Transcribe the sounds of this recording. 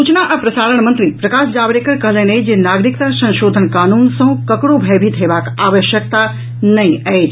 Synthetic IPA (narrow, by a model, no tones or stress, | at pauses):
uːt͡ʃnaʔɐpɾɐsaːɾəɳmɐ̃nt̪ɾipɾɐkaːʃd͡ʒaːʋɾeːkəɾkɐɦlenɐid͡ʒeːnaːɡɾɪk̚t̪asɐ̃nʃoːd̪ʱənkaːnuːnsɐ̃õkɐkɽobʱɛːbʱit̪ʰɦeːʋaːkaːʋəʃjək̚t̪a | nɐĩɐed͡ʒ